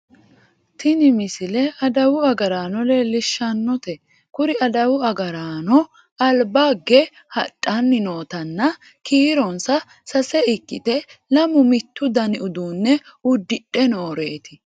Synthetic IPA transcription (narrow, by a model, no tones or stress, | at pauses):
t̪ɪnɪmɪsɪlɛʔɐd̪ɐwʊɐɡɐɾaːnɔleːlːɪʃːɐnːɔt̪ɛ | kʊɾɪɐd̪ɐwʊɐɡɐɾaːnɔ | ɐlbaɡːɛ | hɐ̰tʼːɐnːɪno̞ːt̪ɐnːɐ | kiːɾɔnsɐ | sɐsɛɪkːɪ̰t̪ɛlɐmʊmɪt̪ːʊd̪ɐnɪʊd̪uːnːɛʊd̪ːɪᶑʼɛnoːɾe̞ːt̪ɪ